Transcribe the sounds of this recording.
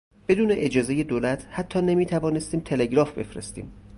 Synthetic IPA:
b̥e̞d̪uːne̞ʔed͡ʒɒːze̞je̞d̪oːlæt̪ʰhæt̪ʰːɒːne̞miːt̪ʰævɒːnest̪iːmt̪ʰe̞le̞ɟɾɒːfbe̞̰fɾest̪ḭːm

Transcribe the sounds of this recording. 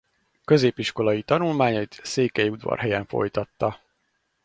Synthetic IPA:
kø̞zeːpiʃko̞lɒjit̪ɒnulmaːɲɒjit̪seːkɛjiud̪vɒ̰rɦɛjɛɱfo̞̰jt̪ɒt̪ːɒ

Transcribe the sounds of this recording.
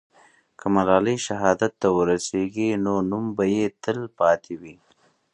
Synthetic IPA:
kəmalɑləjʃaɦɑd̪at̪ːawəɾaseɡinonumbajet̪əlpɑt̪ʰewi

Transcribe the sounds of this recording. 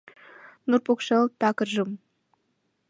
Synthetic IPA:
nurpokʃɤlt̪ɑkɤ̆rʒɤ̆m

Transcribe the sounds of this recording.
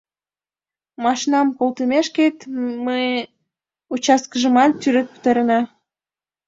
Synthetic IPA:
mɑʃnɑmkolt̪əmeʃket̪məj | ut͡ɕɑskəʒəmɑt̪tyɾet̪̚pə̥t̪ɑɾənɑ

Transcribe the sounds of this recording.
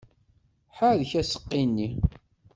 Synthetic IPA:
ħaðəçæsə̥qːinːi

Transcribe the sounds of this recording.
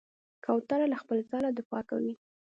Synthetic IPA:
kʰɑwt̪aɾalaxpəlt͡sɑlad̪ɪfɑka̰wi

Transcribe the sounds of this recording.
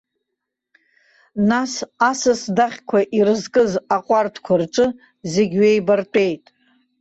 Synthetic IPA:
nasasɨsdaχʲkʷʰaʔirɨzkʼɨzaqʷʼartʰkʷʰart͡ʃʷʼɨ | zeɡʲɥejbartʷʼe̞jtʼ

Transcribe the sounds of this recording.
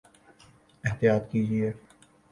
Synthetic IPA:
ɪɦt̪ijaːt̪kiːd͡ʒieː

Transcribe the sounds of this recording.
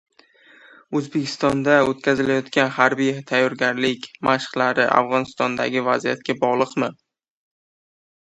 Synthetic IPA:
ɵzbekʲʰɪ̥st̪ɒnd̪aot̪̚kʲazɪlajɒt̪kʲanhaɾbijt̪ʰajːɒɾɡʲaɾlɪkʲmʔaʃχlaɾɪʔa̰fʁɒnɪst̪ɒnd̪a̰ɡʲɪvazijat̪̚kʲabɒʁlˠɨqmɪ

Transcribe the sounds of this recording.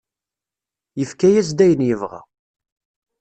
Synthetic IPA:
jəfkæjæs̬d̪æjənjəvʁa̰

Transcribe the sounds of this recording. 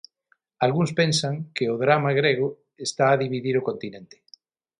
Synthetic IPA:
alɣuŋspẽnsɐŋkɪʊðɾamaɣɾeɣ̞ʊ | est̪aːðiβiðiɾʊkont̪inẽnt̪ɪ̥

